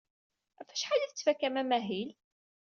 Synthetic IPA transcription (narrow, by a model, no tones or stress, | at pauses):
æfæ̥ʃħalæθt͡sːfækːæmæmæɦil